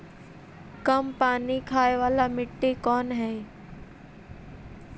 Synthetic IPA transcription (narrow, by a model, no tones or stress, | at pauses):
kəmpaːnikʰaːeʋaːlamɪʈːekɔːnɦɛː